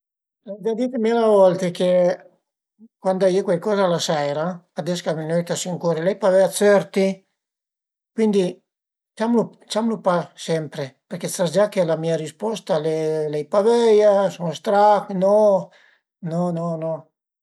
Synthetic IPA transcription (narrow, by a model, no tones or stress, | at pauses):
ɛd̪ad̪it̪emilavɔlt̪eke | kwand̪aiekwelkɔːzalasɛjɾaː | d̪ɛskaminøjt̪asiŋkɔːɾilɛjpavɛasøɾt̪i | kwind̪i | t͡ʃamlu | t͡ʃamlupasɛmpɾepeɾkesad͡ʒakːelamiːaɾispɔst̪alelɛjpavɛjasɔnst̪ɾaknɔ | nɔnɔnɔ